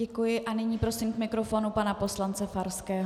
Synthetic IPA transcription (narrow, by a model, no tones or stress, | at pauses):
ɛkujɪʔanɪɲiːpɾo̞sɪmkmɪkɾo̞fo̞ːnupanapo̞slant͡sɛfaɾskɛːɦ